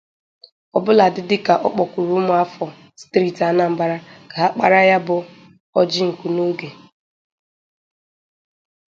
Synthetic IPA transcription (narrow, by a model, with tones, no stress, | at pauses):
ɔ˨bʊ˦la˨dɪ˦dɪ˦ka˨ʔɔ̰˦k͡pɔ˨kʷu˨ɾu˦mʊ˨a˦fɔ˨ | stɾi˦˨ta˦na˦˨m̩˨ba˦ɾa˦ka˨a˦k͡pa̰˨ɾa˦ja˦bʊ˨ | ɔ˦d͡ʒɪ˦ŋ̩˨ku˨no˦ɡe˨